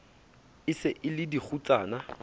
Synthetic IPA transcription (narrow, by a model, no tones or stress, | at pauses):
ɪsɪʔɪlɪdik͡xʰut͡sʼaːna